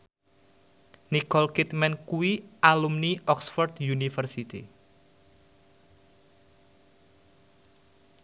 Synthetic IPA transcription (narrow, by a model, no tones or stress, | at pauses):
nikɔlkit̪mɛnkuwiʔalumniʔɔksfɔrt̪junifərsit̪ḭ